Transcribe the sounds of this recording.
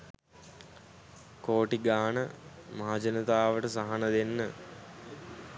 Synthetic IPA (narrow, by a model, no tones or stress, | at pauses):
koːʈiɡaːnəmaɦad͡ʒənət̪aːʋəʈəsaɦanəd̪enːə